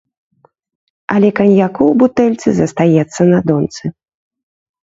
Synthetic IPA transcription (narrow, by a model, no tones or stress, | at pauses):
ɐlʲɛkɐnʲjakuwbut̪ɛlʲt̪sɨzɐst̪ajɛt̪sːɐnɐd̪ɔnt̪sɨ